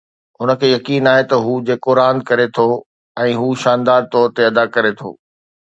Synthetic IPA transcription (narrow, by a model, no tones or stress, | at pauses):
ʊnə̆kʰeːjɐkiːnaːɦet̪ɐɦuːd͡ʑeːkoɾãːnd̪̚kɐɾet̪ʰo | ɛ̃ːɦuːʃaːnd̪aːɾt̪ɔːɾt̪eɐd̪akɐɾet̪ʰo̰ː